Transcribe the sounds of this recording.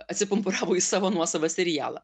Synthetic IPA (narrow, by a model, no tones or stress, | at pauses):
ɐt̪ʲsʲɪpʊmpʊɾɑːʋoʊːisɑːʋoːnuɔsɐʋɐsʲɛɾʲɪjæ̰ːlˠɐ̰